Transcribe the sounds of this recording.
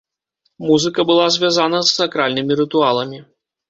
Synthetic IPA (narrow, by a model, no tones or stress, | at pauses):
muzɨkɐbɨlˠazʲvʲjazanɐzsakɾalʲnɨmʲiɾɨt̪ualˠɐmʲi